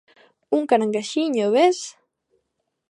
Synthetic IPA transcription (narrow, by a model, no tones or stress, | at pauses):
uŋkanaŋɡaʃiɲoβes